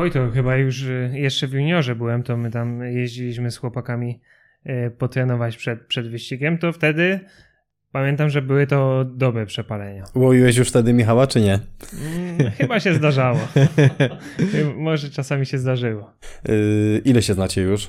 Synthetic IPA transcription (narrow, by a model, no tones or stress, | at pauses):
ɔjt̪ɔxɘbajuʂjɛʂt͡ʂɛvʲjuɲɔʐɛbɘwɛmt̪ɔmɘt̪amjeʑd͡ʑilʲiɕmɘsxwɔpakamʲi | pɔt̪ɾɛnɔvat͡ɕpʂɛt̪̚pʂɛd̪vɘɕt͡ɕiɡʲɛmt̪ɔft̪ɛd̪ɘ | pamʲjɛnt̪amʐɛbɘwɘt̪ɔd̪ɔbɾɛpʂɛpalɛɲawɔvʲiwɛɕ̬juʂft̪ɛd̪ɘmʲixawat͡ʂɘɲɛ | xɘbaɕɛzd̪aʐawɔ | xamɔʐɛt͡ʂasamʲiɕɛzd̪aʐɘwɔ | ʔilɛɕɛznat͡ɕɛjuʂ